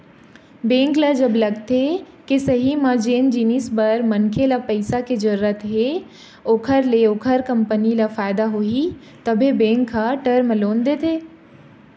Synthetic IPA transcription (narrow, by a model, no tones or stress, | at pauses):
bẽːŋklad͡ʒɐblɐɡt̪e | kesɐɦimãːd͡ʒeːnd͡ʒiːnisbɐɾmɐnkʰelapɐɪsaked͡ʒɐɾuət̪ɦe | oːkʰəɾleoːkʰəɾkɐ̃mpənilafaːɪd̪aɦoi | t̪ɐbʱebẽːŋkʰːaʈəɾmloːnd̪et̪ʰeː